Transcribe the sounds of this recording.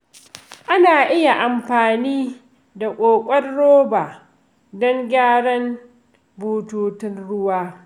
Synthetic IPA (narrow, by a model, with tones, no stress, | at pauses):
ʔa˦naː˨ʔɪ˦ja˨ʔa˨mɸaː˨niː˦ | da˨kʷʼoː˨kʷʼɐ˦rːoː˦baː˨ | dɔ˦ŋɡʲaː˦ɽɐ˦n | buː˦tuː˨tɪ˦nɽʊ˦waː˦